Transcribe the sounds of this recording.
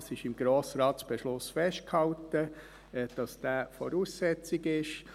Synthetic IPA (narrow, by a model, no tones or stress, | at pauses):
sɪʃɪmɡ̥ɾoːsɾɑːtsb̥ɛʃlʊsfɛʃt̚khɑltə | d̥ɑsd̥æːfɔɾuːsːɛt͡sɪɡɪʃ